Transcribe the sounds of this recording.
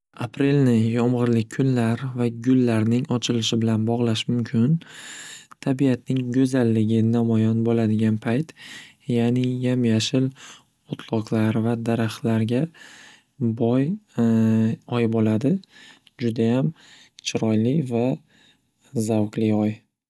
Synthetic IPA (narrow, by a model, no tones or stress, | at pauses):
apʰɾe̞lnɪjɒmʁɨɾlɪk̚ʲkʰːʊnlaɾvaɡʲʊlːaɾnɪŋɒt͡ʃʰɪlɪʃɪbɪlanbɒʁlˠaʃmʊmkʲʰɪn | t̪ʰabijat̪nɪŋɡɵzalːɪɡʲɪnamɒjɒnbolad̪ɪɡʲanpʰajt̪ | jaːnɪjamjaʃɪl | ot̪ʰlˠɒqlˠaɾvad̪aɾaχt̪laɾɡʲa | bɒj | ɒjbolad̪ɪ | d͡ʒʊd̪ajam | t͡ʃʰɪɾɒjlɪva | zawqlɪɒj